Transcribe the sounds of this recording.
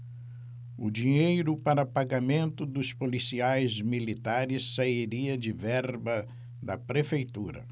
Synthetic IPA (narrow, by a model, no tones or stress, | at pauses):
ʊ̰d͡ʒiɲejɾʊpaɾɐpaɡamẽnt̪ʊd̪ʊspolisiajzmilit̪aɾɪsːaiɾiɐd͡ʒɪvɛɾbɐ | d̪ɐpɾefejt̪uɾɐ̰